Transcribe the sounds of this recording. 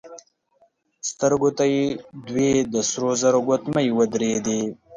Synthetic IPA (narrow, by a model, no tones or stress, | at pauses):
st̪əɾɡot̪ajed̪wed̪əsɾozaɾoɡot̪majwəd̪ɾed̪e